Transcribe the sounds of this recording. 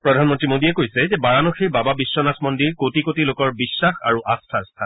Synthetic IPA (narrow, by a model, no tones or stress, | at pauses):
pɹɔdʱanmɔntɹimodiɛkojsɛzɛbaɹanoxiɹbababisːɔnasmɔndiɹkotikotilokɔɹbisːaxa̰ɹuʔastʰastʰa